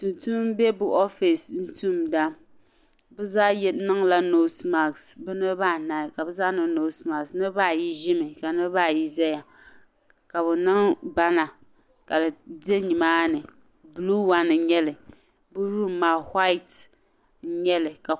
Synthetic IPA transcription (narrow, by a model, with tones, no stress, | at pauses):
tu˨ntu˦m˦bɛ˦bʊ˦ʔɔ˦fi˨sn̩˦tu˦mda˦ | bɨ˦zaː˦jɛ˦nɨ˦ŋla˦no˦sma˨ksbɨ˦nɨ˦ba˦˨na˨ka˨bɨ˦zaː˦nɨ˦no˦sma˨ksnɨ˦ba˦˨ji˦ʒɪ˦mɨ˨ka˨nɨ˦ba˦˨ji˦zɛ˦ja˨ | ka˨bɨ˨nɨ˦ŋba˦na˨ | ka˨lde˦ɲi˨maː˦nɨ˨ | blu˦wa˦nɨ˨ɲɛ˦lɨ˨ | bɨ˦ɾu˦maː˨hwa˦ɪ˨t̩˦ | ɲɛ˦lɨ˨ka˨